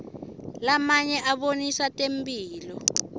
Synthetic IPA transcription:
lamaɲɛʔaɓonisatʼembiːlɔ

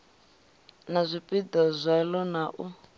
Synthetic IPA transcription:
nazʷipʼid̪azʷɛlɔnaʔu

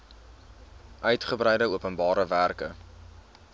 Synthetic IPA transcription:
ʔœɥtχəbrɛjdəuəpənbɑːɾəværkə

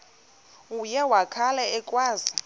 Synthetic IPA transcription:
ujɛwakʰalɛɛkʼwaːzi

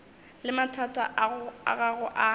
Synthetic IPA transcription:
lɪmatʰatʼa̰ʔa̰ɣaɣʊʔa

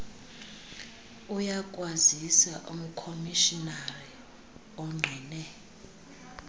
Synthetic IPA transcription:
ujakʼwazisaʔum̩kʰomiʃinari | ɔŋ͡ǃʱiːnɛ

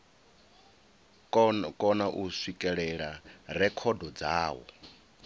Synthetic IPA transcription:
kʼɔnaʔuswikʼɛɺɛɺaɾɛkʰɔdɔd͡zaːwɔ̰

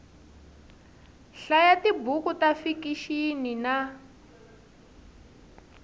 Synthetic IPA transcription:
ɬajatibukutafikiʃinina

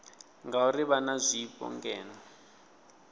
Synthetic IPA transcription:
ŋɡauriβanazʷiːpɔ̰ŋɡɛːnɔ

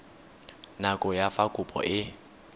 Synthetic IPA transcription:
nakʼʊjafakʼʊpʼɔ̰ʔɪ

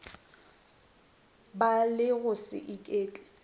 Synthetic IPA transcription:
balɪɣʊsɪ̰ʔɪkʼeːt͡ɬʼɛ̥

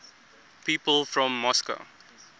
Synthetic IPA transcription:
piːpəlˠfɹɔ̃mːɔskə̰ʊ

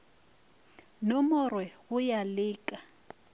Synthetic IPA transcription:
nomʊrwɛɣʊjalɪːkʼa

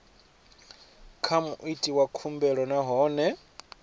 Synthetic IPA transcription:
kʰamuʔitʼiwakʰumbɛɺɔnaɦɔːnɛ

